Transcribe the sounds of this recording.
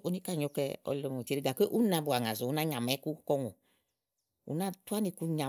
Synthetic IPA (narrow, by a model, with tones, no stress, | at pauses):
o˨˦ni˦ka˦˨ɲo˧kɛ˧ɔ̰˧lo˧mo˨te˨ɾe˦ɡa˨kʷe˦ʔu˦nã˧bu˨a˨ŋa˨zo˨u˨˦na˦ɲa˨mɛ˨˦ku˦kɔ˧ŋṵ˨ | ṵ˨na˦˨tu˦a˦ni˧ku˧ɲa˨